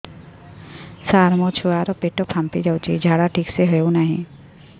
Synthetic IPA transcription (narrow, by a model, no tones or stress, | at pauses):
saːɾmot͡ʃʰuʋaːɾopeʈopʰãmpid͡ʒawt͡ʃḭd͡ʒaːɽaʈʰiːkseɦəjonaɦḭ̃